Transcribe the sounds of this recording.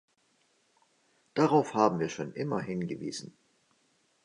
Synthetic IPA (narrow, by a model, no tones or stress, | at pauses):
d̥aʁaʊfhaːbm̩viːɐʃoːnʔɪmɐ̰ɦɪnɡəvḭːzn̩